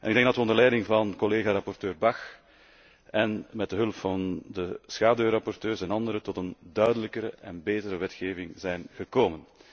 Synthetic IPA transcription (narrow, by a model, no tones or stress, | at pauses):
ʔɛnɪɡdɛŋɡ̚dɑtʋəɔndərlɛjdɪŋvɑnkɔleːɣaːɾɑpɔrtøːrbɑx | ɛnmɛtdəɦɵlpfɑndəsxaːdøːɾɑpɔrtøːrsɛnɑndəɾətɔtəndœɥdələkəɾəʔɛnbeːtəɾəʋɛtxeːvɪŋzɛjnɣəkoːmən